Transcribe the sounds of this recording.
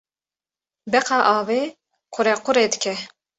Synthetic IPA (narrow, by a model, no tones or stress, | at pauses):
bɛqɑːʔɑːveː | qʰʊɾɛqʰʊɾeːd̪ɨkʰɛ